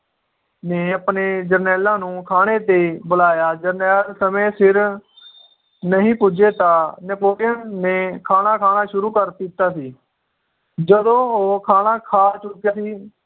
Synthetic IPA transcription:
neːəpneːd͡ʒəɾnɛːlãːnũːkʰaːneːt̪eːbʊlaːjaːd͡ʒəɾnɛːlsəmẽːsɪɾ | nəɦĩːpʊd͡ʒeːt̪ãːnəpoːlɪjənːẽːkʰaːnaːkʰaːnaːʃʊɾuːkəɾt̪it̪aːsiː | d͡ʒəd̪õːoːkʰaːnaːkʰaːt͡ʃʊkjaːsiː

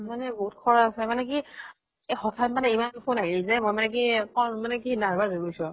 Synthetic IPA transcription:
manɛboɦut̚kʰɔɹaasɛmanɛki | exɔtʰatmanɛimannpʰonaɦiizɛmɔjmanɛkikɔmanɛkinaɹbazoɡusɔ̃

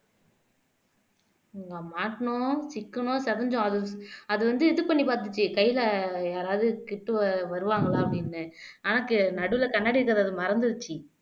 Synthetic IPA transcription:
ŋɡɐmaːʈːɐɳõsɪkːɐnõːsɐðɐɲd͡ʒõɐðɯɐðɯʋɐnd̪ɯɛðɯpɐɳːipaːɾt̪̬ɯt͡ʃːɯkɐjːɪlɐjaːɾaːʋðɯkɪʈːɯʋɐʋɐɾɯʋaːŋɡɐlaːɐpːɐɽɪnːɯaːnakːɯnɐɽɯʋɪlɐkɐnːaːɽiɪɾɯkːɐðɯɐðɯmɐɾɐnd̪ɯðɯt͡ʃːɯ

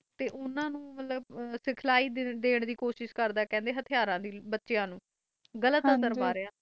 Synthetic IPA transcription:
t̪eːʔʊnãːnũːmət̪ləbsɪkʰlaːiːd̪eːɳd̪iːkoːʃɪʃkəɾd̪aːkɛ̃ːnd̪eːɦət̪ʰɪjaːɾãːd̪iːbətːʃejãːnũː | ɡələt̪əsəɾmaːɾejaː

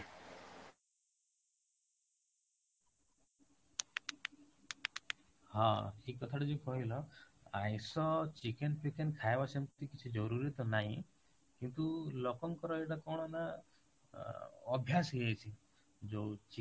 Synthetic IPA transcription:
ɦãʈʰikːɔt̪ʰaʈed͡ʒekɔɦilɔã̰jsɔt͡ʃikenpʰikenkʰajbasamt̪ikit͡ʃʰid͡ʒɔɾuɾit̪ɔnaɦĩ | kint̪ulɔkɔŋkɔɾɔeʈakɔɽ̃ɔna | bʱjasɦeet͡ʃʰi | d͡ʒot͡ʃi

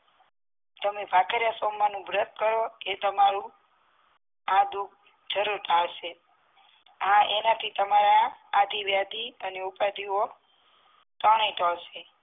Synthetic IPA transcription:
t̪əmebʱakəɾjasomːanũbɾət̪̚kəɾoet̪əmaɾũ | ad̪u | d͡ʒəɾuɾʈ̪ʰalʃe | ɦãʔenat̪ʰit̪əmaɾaːd̪ʱiʋjad̪iəneupad̪io | t̪əɽ̃ẽʈɔlʃe

